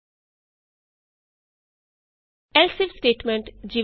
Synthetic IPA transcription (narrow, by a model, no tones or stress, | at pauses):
ɛlsifsʈeːʈmẽɳʈd͡ʒi